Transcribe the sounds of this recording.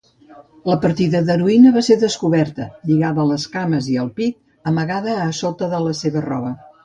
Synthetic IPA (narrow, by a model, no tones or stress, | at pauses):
ləpəɾt̪iðəðəɾuinəβaseɾðəskuβɛɾt̪əʎiɣaβəːləskaməziəlˠpik̚ | əməɣaðəːsot̪əðələseβərɔβ̞ə